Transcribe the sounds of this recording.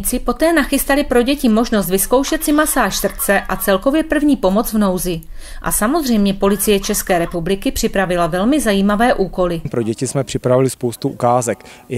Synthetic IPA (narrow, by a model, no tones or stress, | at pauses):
t͡sɪpo̞t̪ɛːnaxɪst̪alɪpɾo̞ɟɛcɪmo̞ʒno̞st̪vɪsko̞wʃɛt̪sɪmasaːʃsr̩t͡sɛʔat͡sɛlko̞vjɛpr̩vɲiːpo̞mo̞t͡svno̞wzɪ | ʔa̰samo̞zr̝ɛjmɲɛpo̞lɪt͡sɪjɛt͡ʃɛskɛːɾɛpublɪkɪpr̥ɪpɾavɪlavɛlmɪzajiːmavɛːʔuːko̞lɪmpɾoɟɛcɪsmɛpr̥ɪpɾavɪlɪspowst̪uʔukaːzɛk